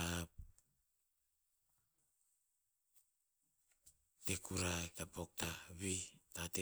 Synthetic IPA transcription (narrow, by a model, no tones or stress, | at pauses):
ap̚ | tekuɾatapo̞k̚taβitate